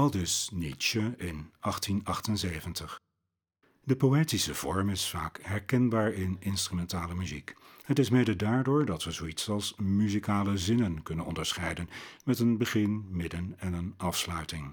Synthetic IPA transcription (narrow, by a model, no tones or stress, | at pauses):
ɑlˠdɪsnit͡ʃəɪnʔɑχtinɑχtənzejvəntəχ | dəpoweːtisəv̥ɔ̰ɹmɪsfa̰ːkɦɛɹkɛnbaːɹɪnɪnstrymɛntaːləmyzikhətɪsmejdədaːɹdʊːɹdɑtʋəzowitsɑlˠsmyzikaːləzɪnənkɵnənɔ̰ndəɹsχɛjdənmɛtənbəχɪnmɪdənɛnənɑfslœɥtɪŋ